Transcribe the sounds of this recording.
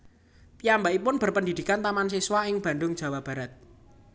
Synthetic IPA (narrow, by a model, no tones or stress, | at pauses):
piambaipʊnb̥ə̤rpəndid̪̥i̤kant̪amansiswaɪŋb̥a̤nd̪ʊŋ̥ʒ̥a̤wab̥a̤ɾat̪̚